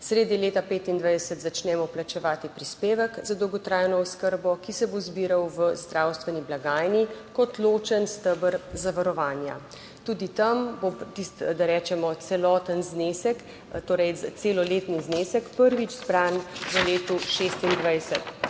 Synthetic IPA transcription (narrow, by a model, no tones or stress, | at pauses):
sɾeːd̪nileːt̪apeːt̪ind̪ʋajd̪ɛsət̪zat͡ʃnɛmɔplat͡ʃɛʋaːt̪ipɾispeːʋəkzad̪ɔwɡɔt̪ɾaːjnɔɔskəɾbɔkisɛbozbiːɾawʋəzd̪ɾawst̪ʋɛniblaɡaːjnikɔt̪loːt͡ʃənst̪əbəɾzaʋaɾɔʋaːnja̰ | t̪uːd̪it̪ambot̪ist̪d̪aɾɛːt͡ʃɛmɔt̪sɛlɔːt̪ənznesək | t̪oːɾɛjt̪seːlɔleːt̪nizneːsəkpəɾʋid͡ʒzbɾanʋəleːt̪uʃeːst̪ind̪ʋajsət̪